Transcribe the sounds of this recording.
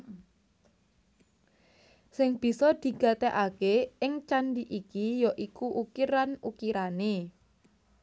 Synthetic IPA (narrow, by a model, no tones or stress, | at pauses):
sɪŋb̥i̤sɔd̪̥i̤ɡ̥ä̤t̪eʔakeɪŋt͡ʃanɖiʔikijɔʔikuʔukiɾanukiɾane